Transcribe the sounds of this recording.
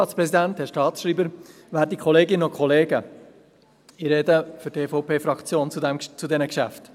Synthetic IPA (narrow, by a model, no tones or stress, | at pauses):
ɑːtspɾɛsidænthɛɾʃtɑːtsʃriːbəɾ | væːɾt̚dikʰχɔleːɡɪnəokχɔleːɡə | iɾedəfʏɾteːfɔʊpʰeːfɾɑkt͡sjoːnt͡sudɛmt͡sudɛnəkʃæ̰ft